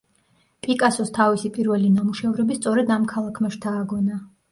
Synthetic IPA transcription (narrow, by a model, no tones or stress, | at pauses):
pʼikʼasɔst̪ʰavisipʼiɾvɛlinamuʃɛvɾɛbist̪sʼɔɾɛd̪amkʰalˠakʰmaʃt̪ʰaːɡɔna